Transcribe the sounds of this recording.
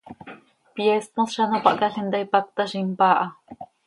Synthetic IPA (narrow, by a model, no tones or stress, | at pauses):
pjest̪õsʃanopaʔkaɬent̪ajpak̚t̪aʃimpaʔa